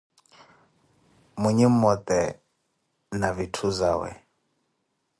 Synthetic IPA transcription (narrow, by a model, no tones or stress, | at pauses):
muɲim̩ɔt̪ʼɛ | navitʰuzaːwɛ̰